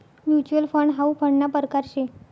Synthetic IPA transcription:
mjut͡ɕuəlfəɳɖɦaupʰəɳɖnapəɾkaɾɕe

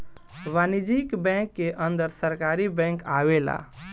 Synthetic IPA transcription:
ʋanid͡ʒikbɛ̃ŋkːeʔənd̪əɾsəɾkaɾibɛ̃ŋkaʋela̰

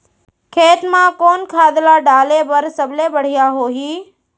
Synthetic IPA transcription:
kʰeːt̪mãkoːnkʰaːd̪laːɖaːlebəɾsəblebəɽ̤ɪjaɦoːɦiː

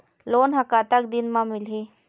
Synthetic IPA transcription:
loːnɦɐkat̪ak̚d̪ɪnmãmɪlɦe

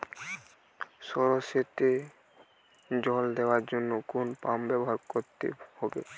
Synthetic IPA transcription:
sɔɹɔset̪e | d͡ʑɔld̪ewaɹd͡ʑonːokonpambɛbɔɦaɹkot̪ḛhɔbḛ

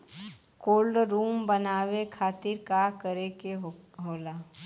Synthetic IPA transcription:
koːlɖɾuːmbənaːwekʰaːt̪ɪɾkakəɾekeɦoːlaː

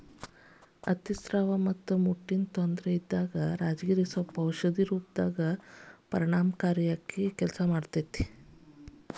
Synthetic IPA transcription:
ɐt̪isɾaːʋɐmɐt̪ːumuʈːint̪ond̪ɾeid̪ːaːɡɐɾaːd͡ʒɡiːɾisɐpɐwʃɐd̪iɾuːp̚d̪aːɡɐpɐɾiɳaːmkaːɾjakːikɛlsɐmaːɖt̪ɐt̪ːi

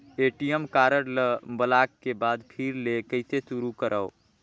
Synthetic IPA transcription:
eʈijəmkaɾəɽləbəlakkːebad̪pʰiɾlekəɪt̪esuɾukəɾʔəʊ

